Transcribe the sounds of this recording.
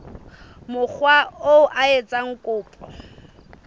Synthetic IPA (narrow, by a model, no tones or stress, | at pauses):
mʊk͡xʰwaoʔaet͡sʼaŋ̩kʼʊːpʼɔ